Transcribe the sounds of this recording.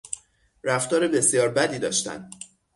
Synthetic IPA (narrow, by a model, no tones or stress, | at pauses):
ɾæft̪ɒːɾebe̞sijɒːɾbæd̪iːd̪ɒ̰ːʃt̪æ̰n